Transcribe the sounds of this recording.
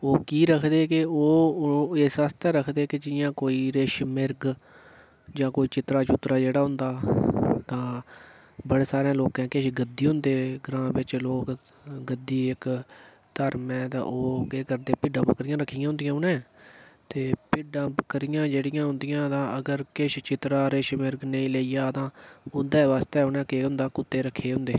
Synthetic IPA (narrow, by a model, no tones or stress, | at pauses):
oːkiːɾəkʰd̪eːkɪoːeːsast̪ɛːɾəkʰd̪eːkɪd͡ʒɪjãːkoːiːɾeːʃmɪɾɡ | d͡ʒãːkoːiːt͡ʃɪt̪ɾaːt͡ʃʊt̪ːɾaːd͡ʒeːɽaːɦʊ̃nd̪aːt̪ãː | bəɽeːsaːɾẽːloːkɛ̃ːkeʃɡəd̪ːiːɦʊ̃nd̪eːɡɾãːbɪt͡ʃloːkɡəd̪ːiːɪk | t̪əɾmɛ̃ːt̪ã̰ːʔoːkeːkəɾd̪eːpɪɖãːpkəɾɪjãːɾəkʰːiːaːɦʊnd̪ɪjãːʊnɛ̃ːt̪eːpɪɖãːpkəɾijãːd͡ʒeːɽɪjãːɦʊ̃nd̪ɪjãːt̪ãːəɡəɾkɪʃt͡ʃɪt̪ɾaːɾeːʃmɪɾɡneĩːleːijaːt̪ãːʊnd̪ɛːʋaːst̪ɛːʊnɛ̃ːkeːɦʊ̃nd̪aːkʊt̪ːeːɾəkʰːeːɦʊ̃nd̪eː